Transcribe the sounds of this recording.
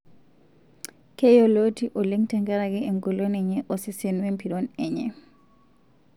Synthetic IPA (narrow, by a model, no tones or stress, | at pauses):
kɛjɔlotiʔɔleŋtɛŋkaɾakɛɛŋɡɔlonɛɲɛʔɔsɛsenuwɛmpʰiɾɔnɛɲɛ̰